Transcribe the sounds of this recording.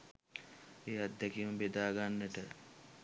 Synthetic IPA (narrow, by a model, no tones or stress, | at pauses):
eːad̪ːɛkiumbed̪aːɡanːəʈə